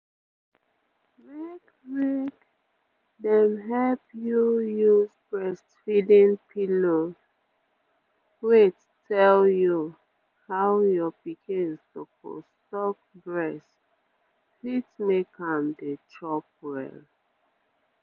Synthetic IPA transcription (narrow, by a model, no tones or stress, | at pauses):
mek | mek | dɛ̃mɦɛlpjujuzbɹɛstfidĩnpʰilo | wet | tɛlju | hawjɔpikĩnstopo̰stɔk̚bɹɛst | witmekʰãmdetʰɹɔp̚ɹɛ̰l